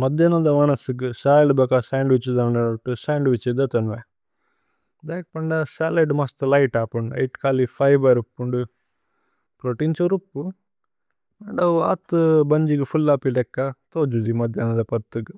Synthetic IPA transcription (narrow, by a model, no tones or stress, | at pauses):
mɐd̪jɐnɐnd̪ɐmɐnɐsuɡɨsaːjɐlbɐkɐsaːɳɖʋit͡ʃːid̪ɐɳɖɐɐʈːusaːɳɖʋit͡ʃid̪ɐt̪ɐnʋe | d̪aːk̚pɐɳɖɐsaːleɖmɐst̪lɐjʈaːpuɳɖɐ̰jʈkaːlifʰɐjbɐɾupːuɳɖu | pɾoʈint͡ʃɐɾupːu | maɖɐwa̰ːt̪ːɨbɐɲd͡ʒiɡufʰulːaːpilɛkːɐt̪oːd͡ʒud̪imɐd̪ʱjɐnɐnd̪ɐpɐɾt̪ːuɡɨ